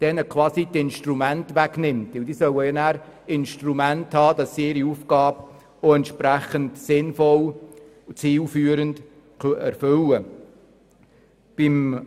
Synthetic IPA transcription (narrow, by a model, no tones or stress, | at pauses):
d̥ɛnəkʰʋɑːsidɪnʃtɾumæntʋæɡnɪmtʋɪldisœwəjɑnæːɾ | ɪnʃtɾumænthɑːd̥ɑsːiɪɾiufɡ̥ɑːb | oɛntʃpɾæχəntsɪnfɔl | t͡siːlfyːəɾənd | køɛ̰ɾfɵlə | b̥im